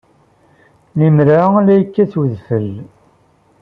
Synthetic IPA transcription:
nimɾalæjəkːæθwəðfəl

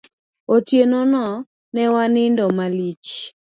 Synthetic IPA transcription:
otjenɔnɔ | nɛwanɪndɔmalit͡ʃ

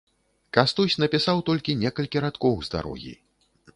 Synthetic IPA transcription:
kast̪usʲnɐpʲisawt̪ɔlʲkʲinʲɛkɐlʲkʲiɾat̪kɔwzd̪a̰ɾɔ̰ɣʲḭ

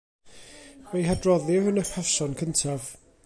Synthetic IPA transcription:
wejɦadrɔðɪvənəχɛsɔnkʰəntʰav

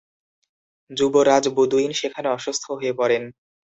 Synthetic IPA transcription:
d͡ʑuboɾad͡ʑbod̪uinʃekʰaneɔʃust̪ʰoɦoepɔɾen

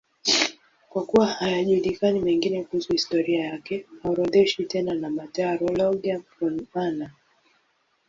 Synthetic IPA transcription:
kwakuwahajaʄulikanimɛŋɡinɛkuhusuhistɔɾiajakɛhauɾɔðɛʃitɛnanamataɾɔlɔɡiafɾɔnana

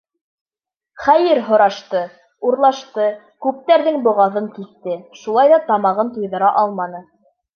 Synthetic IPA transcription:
χæjɘɾɦŏɾɑʃt̪ɤ | uɾlˠɑʃt̪ɤ | kʉp̚t̪æɾðɘŋbŏʁɑðɤŋkisːɘʃulˠɑjðɑt̪ɑmɑʁɤnt̪ujðɤ̆ɾɑʔɑlˠmɑnɤ

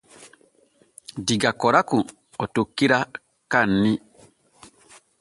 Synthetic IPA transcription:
diɡakɔɾaku | ɔtokːiɾa | kanːi

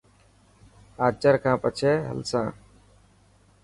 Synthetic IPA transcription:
aːt͡ʃəɾkʰãːpət͡ʃʰeːɦə̰lsãː

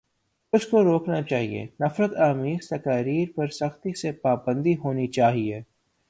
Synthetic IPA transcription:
ʊskoɾoːknat͡ʃaːɦiḛːnɐfɾət̪aːmiːɾt̪ɐkaːɾiːɾpɐɾsɐxt̪isepaːbə̃nd̪iɦoːnit͡ʃaːɦieː

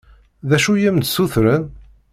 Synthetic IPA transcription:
ðæʃujæmt̪suθɾən

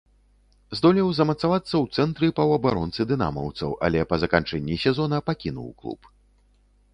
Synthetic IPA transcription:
zd̪ɔlʲiwzɐmɐt̪savat̪sːɐwt̪sɛnt̪ɾɨpɐwɐbaɾɔnt̪sɨd̪ɨna̰mɐ̰wt̪sɐ̰wɐ̰lʲɛpɐzɐkant͡ʂɛnʲːisʲɛzɔnɐpakʲinṵwklˠṵp

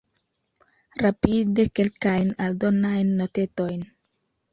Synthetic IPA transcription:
ɾapide̞ke̞lkajnaldo̞najnːote̞to̞jn

